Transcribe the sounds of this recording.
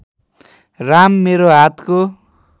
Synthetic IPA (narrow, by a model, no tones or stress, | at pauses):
ramːeɾoɦat̪ʰko